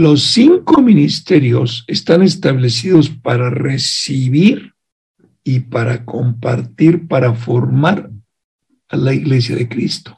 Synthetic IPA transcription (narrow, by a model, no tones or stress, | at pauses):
lo̞sːiŋkominist̪e̞ɾjo̞se̞st̪ane̞st̪aβle̞s̬iðo̞spaɾare̞siβiɾ | ipaɾakʰo̞mpa̰ɾt̪iɾpaɾafo̞ɾmaɾ | alaiɣle̞s̬jaðe̞kɾist̪o̥